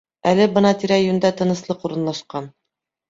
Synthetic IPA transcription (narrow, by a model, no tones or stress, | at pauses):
ælɘbɤnɑt̪iɾæjʉnd̪æt̪ɤ̆nɤ̆slˠɤquɾɤ̆nlˠɑʃqɑn